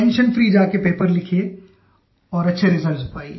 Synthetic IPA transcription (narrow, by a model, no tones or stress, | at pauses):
ɛ̃nʃənfɾiːd͡ʒaːkepeːpəɾlɪkʰe | ɔːɾɐtːʃʰeɾɪzəɾzʊpaːi